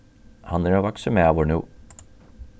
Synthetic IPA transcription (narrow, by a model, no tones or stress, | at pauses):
hɑnæɾoːʋɑksəmeɑːʋoɳṵː